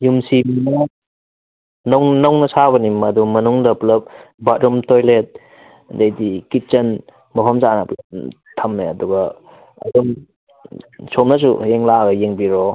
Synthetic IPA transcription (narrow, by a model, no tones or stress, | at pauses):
jumsiminɐ | nownɐwnɐsaβɐnimɐdumɐnuŋdɐpulɐp̚bɐt̚ɾumtʰojlet̚ | dejdikit̚t͡ʃɐn | mɐpʰɐmzanɐplɐp̚ | tʰɐmːeɐduɡɐ | ɐ̰duŋ | somnɐs̬ṵjeŋlaɡɐjeŋbiɾo